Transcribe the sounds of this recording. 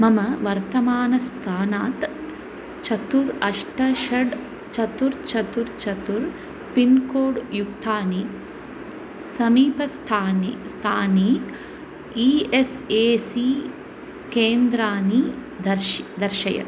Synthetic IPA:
mɐmɐʋɐɾt̪ɐmaːnɐst̪ʰaːnaːt̪ | t͡ʃɐt̪uɾɐʂʈɐʃɐɖ | t͡ʃɐt̪uɾt͡ʃɐt̪uɾt͡ʃɐt̪uɾ | pinkoːɖjukt̪ʰaːni | sɐmiːpɐst̪ʰaːnist̪ʰaːni | iːeseːsi | keːnd̪ɾaːni | d̪ɐɾd̪ɐɾʃɐjɐ̰

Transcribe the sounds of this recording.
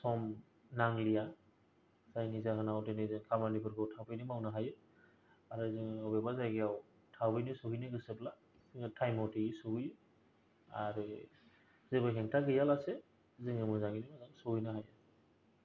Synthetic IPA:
sɔm | naŋlija | zajŋizakɯnawtenɯzɯŋkʰamanibɯɾkʰɯwtʰapʰɯjnɯmawnaɦajɯ | aɾɯzɯŋɯawbɛbazajɡɯjaw | tʰabɯjnɯsɔɦɯjnɯɡɯsɯbla | ziŋɯtʰajmɔwtiisuhɯjɯ | aɾɯ | zɯbɯjɦɛŋtʰaɡɯjalase | zɯŋɯmɯzaŋinɯmazaŋsuhɯjnɯɦajɯ

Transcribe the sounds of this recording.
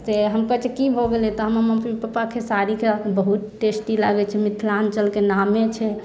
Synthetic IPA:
seɦəmkət͡ʃekibʱoɡelɛt̪ɔɦəməməpipəpakʰesaɾikʰebəɦut̪̚ʈesʈilaɡɛt͡ʃʰɛmit̪ʰlant͡ʃəlkenamːet͡ʃʰɛ

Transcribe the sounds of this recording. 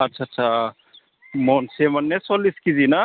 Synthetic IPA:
ɐtːʃʰatːsʰa | monsemɐnːesoliskid͡ʒina

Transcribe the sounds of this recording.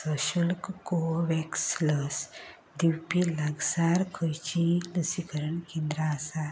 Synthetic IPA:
səɕulkkoʋɛksləs | d̪iwpilaɡsaɾkʰəjt͡ɕiləsikəɾəɳkẽnd̪ɾaːsa

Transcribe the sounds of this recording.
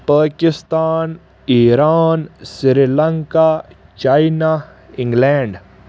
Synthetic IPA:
paːkɪst̪aːn | iːɾaːnsɾilɐŋka | t͡ʃaːina | ɪ̃ŋɡleːɳɖ

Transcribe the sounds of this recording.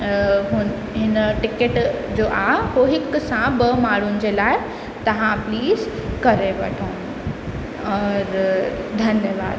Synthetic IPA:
ɦʊn | ɦɪnəʈɪkeʈd͡ʑoːʔaɦoɦɪksãbɐmaːɽ̤ʊnɪ̆d͡ʑeːlaːɪ | t̪ɐʋ̤ãpliːzkɐɾeʋɐ̰ʈʰoːn | ɔːɾ | d̪ʱɐnjəʋaːd̪

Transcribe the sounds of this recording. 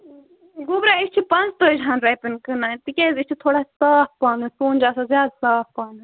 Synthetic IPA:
ɡubɾaːit͡ʃʰipɐnzt̪oːd͡ʒãːnɾɐjpinkɨnaːt̪ikʲeːzit͡ʃʰit̪ʰoːɽaːsaːfpaːnɨsuːnd͡ʒaːsazjaːd̪saːfpaːnɨ

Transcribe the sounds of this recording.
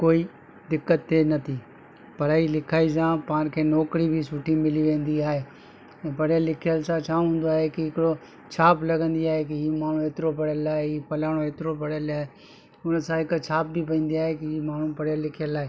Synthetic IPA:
koːiː | d̪ɪkːət̪ːenɐt̪ʰi | pɐɾaːilɪkʰaːisãːpãːnkʰeːnɔːkɾibʱisʊʈʰimɪliʋẽːn̆d̪iaːɦeː | ɛ̃ːpɐɽjəlɪkʰijəlsãt͡ʃʰãːɦũːn̆d̪oaːɦekɪɦɪkɪɽo | t͡ʃʰaːplɐɡʱə̃nd̪iaːɦek̬iiːmaːɳ̤ũeːt̪ɪɾopɐɽjəlaːeiːpɐlaːɽ̃oeːt̪ɪɾopɐɽjəlaːe | ʊnsãɦɪkt͡ʃʰaːp̚bip̬ɐĩːn̆d̪iaːɦekɪiːmaːɳ̤ũpɐɽ̤jəlɪkʰijəlaːɦe

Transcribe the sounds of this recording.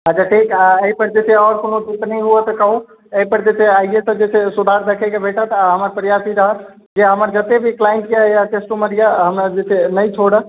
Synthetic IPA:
ɦəd͡ʒaʈʰikaəipəɾd͡ʒet̪ʰeɔːɾkonoʈupnəjɦuət̪əkəɦũ | əipəɾd͡ʒet̪eaijesə̃d͡ʒet͡ʃʰesud̪ʱaɾd̪ekʰɛkebʱeʈət̪aɦəməɾpəɾjasiɾəɦə | d͡ʒeɦəməɾd͡ʒət̪ebʱiklaiɳʈjajaʈesʈoməɾijaɦəmad͡ʒetʰenəjt͡ʃʰoɽə

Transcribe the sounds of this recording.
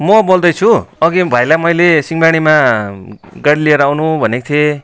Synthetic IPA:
mʌbold̪ʌjt͡sʰuʌɡibʱajlamʌjlesiŋbaɽ̃ima | ɡaɽilieɾʌawnubʱʌnekt̪ʰe

